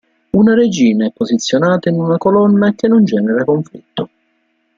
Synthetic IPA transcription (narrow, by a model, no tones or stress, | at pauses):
unaɾed͡ʒiːnaɛpːozit̪sːjonaːt̪ainunakolɔnːak̟ːenːond͡ʒɛːneɾakoɱflḭt̪ːo